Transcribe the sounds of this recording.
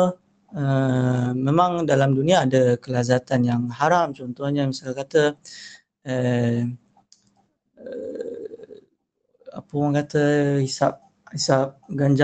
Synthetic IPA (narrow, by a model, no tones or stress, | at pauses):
ə | mẽmãŋdalamdunĩaːdəkəlazat̪anjaŋhaɾamt͡ʃɔnt̪ɔhɲəmisalkat̪ə | ə | ə | a̰pəmaŋkat̪əhisap̚ | hisap̚ɡaɲd͡ʒa